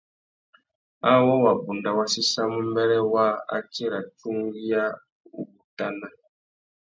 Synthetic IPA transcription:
a˦wɔ˦wa˨bu˨nda˨wa˦si˦sa˦mu˦m˦bɛ˦ɾɛ˦wa˦a̰˦t͡ʃe˦ɾa˨t͡ʃu˦ŋ˦ɡi˦ja˦ | ṵ˦˨bu˨ta˦na˦

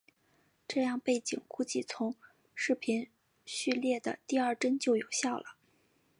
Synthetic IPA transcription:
ʈ͡ʂɤ˥˧jɑ˥˧ŋpe˥˩ɪt͡ɕi˨˩ŋku˥t͡ɕi˥˩t͡sʰʊ˧˥ŋ | ʂɻ̩˥˩pʰi˧˥n | ɕy˥˧ljɛ˥˩d̪ə̰˩t̪i˥˧ɐ˞˥˧ʈ͡ʂə˥nt͡ɕjo˥˩ʊjo˨˩ʊɕjɑ˥˩ʊlə̰˩

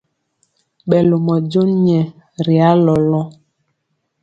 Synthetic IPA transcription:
ɓɛ˨lo˨mɔ˨d͡ʒo˦ɲɛ˨ | ɾi˨a˦lɔ˨lɔ˦

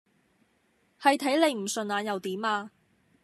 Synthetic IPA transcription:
hɐ˨jt̪ʰɐ˨˥jle˨˧jm̩˨˩sɵ˨naː˨˧njɐ˨wt̪iː˨˥maː˧

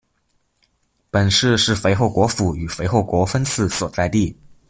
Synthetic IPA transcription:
pə˨˩nʂɻ̩˥˧ʂɻ̩˥˩fe˧˥ɪxo˥˩ʊkwɔ˧˥fu˧˥y˨˩fe˧˥ɪxo˥˩ʊkwɔ˧˥fə˥nt͡sʰɹ̩˥˩swɔ˨˩t͡sa˥˧ɪt̪i˥˩

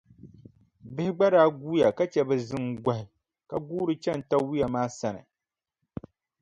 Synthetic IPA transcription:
bɪ˦hɪ˦ɡ͡ba˦ɾaː˦ɡuː˦ja˨ka˦t͡ʃɛ˨bɛ˨zɨ˦ŋɡʷa˦hɪ˨ | ka˨ɡuː˦ɾɨ˦t͡ʃɛ˦n̩˨ta˦wi˦ja˨maː˦sa˦nɨ̰˨

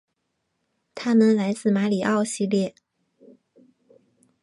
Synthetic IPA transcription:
t̪ʰa˥nə˧nla˧˥ɪt͡sɹ̩˥˩ma˧˥li˨˩ʔɑ˥˧ʊɕi˥˧ljɛ˥˩

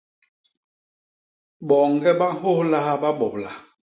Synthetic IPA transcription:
ɓɔ˨ŋ˨ɡɛ˦ɓa˦ho˦hla˦ha˦ɓa˦ɓɔ˨p̚la̰˨

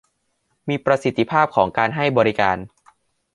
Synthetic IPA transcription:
miː˧pɾa˧si˨˩t̪ʰːi˧pʰaː˥˩p̚kʰɔː˩˦ŋkaː˧nɦa˥˩jbɔː˧ɾi˦kaː˧n

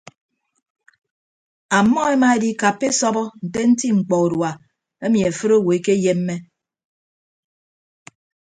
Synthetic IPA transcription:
a˨mːɔ˦e˦ma˦e˦di˦ka˨pːe˦sɔ˦bɔ˦n̩˨te˦n̩˦ti˦ŋ͡m̩˨k͡pɔ˨u˨dwa˨ | e˦mji˨e˨fɨ˦ɾo˦˨wo˨e˦ke˦je˦mː˦e˦

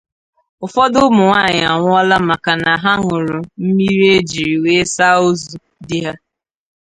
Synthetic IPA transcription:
ʊ˨fɔ˦dʊ˦mʊ˨ŋʷa˦˨ɲa˨ŋʷʊ˦ɔ˦la˦ma˨ka˨na˨ɦa˦ŋʊ˨ɾʊ˨m̩˦mi˦ɾi˦e˦d͡ʒi˨ɾi˨we˦sa˦o˦zu˨ | dɪ˦ɦa˦

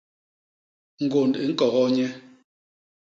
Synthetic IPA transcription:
ŋ̩˨ɡo˨nde˨ŋ̩˦kɔ˨ɣɔ˦ɲɛ˦

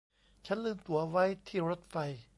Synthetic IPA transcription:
t͡ɕʰa˦˥nlɯː˥˩mt̪u˩˦ɐ˧wa˦˥jt̪ʰiː˥˩ɾo˦˥t̪̚fa˧j

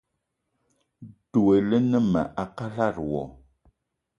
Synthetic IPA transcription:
du˨e˨lə˦nə˦ma̰˨ʔa˨ka˦la˦˨ɾwɔ̰˨

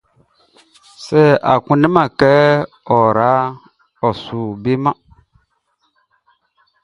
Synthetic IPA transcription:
sɛ˦˨a̰˨kũ˨nĩ˦mã˨kɛ˦ | ɔ˨ɾa˨˦ | ɔ˨su˨be˦mã˦

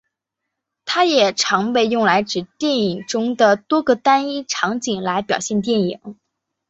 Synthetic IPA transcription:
t̪ʰa˥jɛ˨˩ʈ͡ʂʰɑ˧˥ŋpe˥˧ɪjʊ˥˩ŋla˧˥ɪʈ͡ʂɻ̩˨˩t̪jɛ˥˩ni˨˩ŋʈ͡ʂʊ˥ŋd̪ə˨t̪wɔ˥ɡə˨t̪a˥ni˥ʈ͡ʂʰɑ˧˥ŋt͡ɕi˨˩ŋla˧˥ɪpjɑ˨˩ɕjɛ˥˧nt̪̬jɛ˥˩nḭ˨˩˦ŋ

